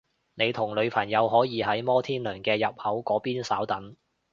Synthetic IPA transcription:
ne˨˧jt̪ʰʊ˨˩ŋlɵ˨˧ɥpʰɐ˨˩njɐ˨˧wɦɔː˨˥jiː˨˧ɦɐ˨˥jmɔː˥t̪ʰiː˥nlœː˨˩ŋkɛː˧jɐ˨p̚hɐ˨˥wkɔː˨˥piː˥nsaː˨˥wt̪ɐ˨˥ŋ

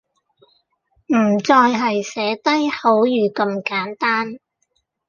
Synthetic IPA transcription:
m̩˨˩t͡sɔː˧jɦɐ˨jsɛː˨˥t̪ɐ˥jho˨˥wjyː˨˧kɐ˧mkaː˨˥nt̪aː˥n

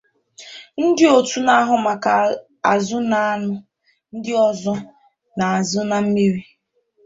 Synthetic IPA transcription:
n̩˦dɪ˦o˨tu˦na˦ɦʊ˨ma˨ka˨ | a˨zʊ˦na˦a˦nʊ˦ | n̩˦dɪ˦ɔ˦zɔ˦ | na˨a˨zʊ˦na˨m̩˦mi˦ɾi˦

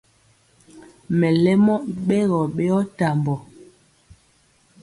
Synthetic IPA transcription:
mɛ˨lɛ˦mɔ˦ʔɓe˦ɣɔ˨ɓe˦ɔ˦ta˨mbɔ˨

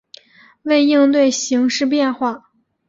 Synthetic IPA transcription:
we˥˧ɪi˥˧ŋt̪we˥˩ɪɕi˧˥ŋʂɻ̩˥˧p̬jɛ˥˧nxwa˥˩

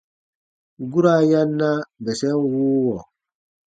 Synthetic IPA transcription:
ɡu˦ɾa˦ja˦nːa˦bɛ˨sɛ˦wuː˦wɔ˨

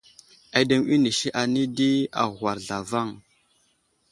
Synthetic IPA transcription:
a˨de˨ŋi˦ni˨ʃi˦ʔa˨ni˦di˦a̰˨wa˨ɾɮa˨va˦˨ŋ

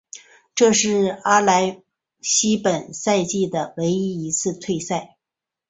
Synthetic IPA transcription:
ʈ͡ʂɤ˥˧ʂɻ̩˥˩a˥la˧˥ɪ | ɕi˥pə˨˩nsa˥˧ɪt͡ɕi˥˩d̪ə˩we˧˥ɪi˥i˧˥t͡sʰɹ̩˥˧t̪ʰwe˥˧ɪsa˥˩ɪ

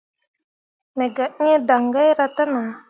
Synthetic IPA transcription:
me˨ɡa˨˦ɲe˦da˨ŋɡa˦jɾa˦˧t̪a˦na˨

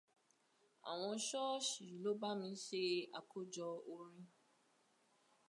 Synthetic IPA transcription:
a̰˨w̃ɔ̃˧˦ʃɔ˦ʃi˨lo˦ba˦mĩ˧˦se˦a̰˨ko˦d͡ʒɔ˧o˦ɾĩ˦

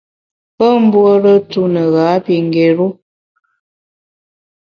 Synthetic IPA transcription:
pə˦m̩˦bwə˦ɾə˦tu˦nə˨ɣa˨˦pi˨ŋ˨ɡe˨ɾu˦

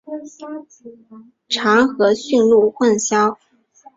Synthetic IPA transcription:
ʈ͡ʂʰɑ˧˥ŋxɤ˧˥ɕy˥˧nlu˥˧xwə˥˩nɕjɑ˥ʊ

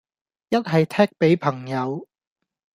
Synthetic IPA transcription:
jɐ˥t̚ɦɐ˨jt̪ʰɛː˥k̚pe˨˥jpʰɐ˨˩ŋjɐ˨˧w

